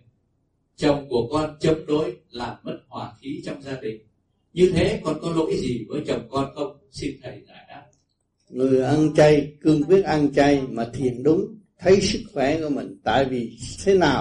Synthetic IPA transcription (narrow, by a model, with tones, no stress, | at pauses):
t͡ɕə˨˩wŋ͡mku˧˩əkɔ˧nt͡ɕə˨˦mɗo˨˦jlaː˨˩mːə˦˥t̚hwaː˨˩xi˨˦t͡ɕɔ˧wŋ͡mzaː˧ɗï˨˩ŋ̟ | ɲɨ˧t̪ʰe˨˦kɔ˧nkɔ˨˦lo̰˧˥jzi˨˩vəː˨˦jt͡ɕə˨˩wŋ͡mkɔ˧nxə˧wŋ͡m | si˧nt̪ʰə˧˩jza̰ː˧˩jɗaː˦˥ | ŋɨ˨˩əjʔa˧nt͡ɕa˧jkɨ˧əŋkwi˦˥ət̚ʔa˧nt͡ɕa˧jmaː˨˩t̪ʰi˨˩ənɗʊ˨˦ŋ͡m | t̪ʰə˨˦jsɨ˦˥k̚xwɛ˧˩˦kɔ˧˩mï˨˩ŋ̟t̪a̰ː˧˨jvi˨˩t̪ʰe˨˦naː˨˩w